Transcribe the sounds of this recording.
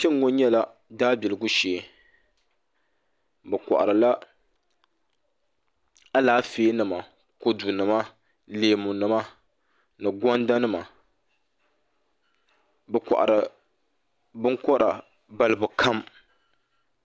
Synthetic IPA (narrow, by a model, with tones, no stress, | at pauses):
t͡ʃɛ˦ŋ˦ŋo˦ɲɛ˦la˦ | daː˦bi˨lɨ˨ɡʊ˦ʃeː˨ | bɛ˨kɔ̰˨ʔa̰˨ɾɨ˨la˦ | a˦laː˨˦feː˦nɨ˨ma˨ | ko˦du˨nɨ˨ma˦ | leː˨mu˨nɨ˨ma˦ | nɨ˨ɡɔ˦n˦da˦nɨ˦ma˨ | bɛ˨kʷɔ̰˨ʔa̰˨ɾɨ˨ | bɨ˦ŋkɔ˦ɾa˨ | ba˦lɨ˦˨bʊ˨kʰa˦m